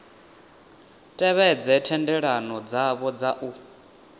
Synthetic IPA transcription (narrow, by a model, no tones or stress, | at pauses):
tʼɛβɛd͡zɛtʰɛndɛɺanɔd͡zaβɔd͡zaʔu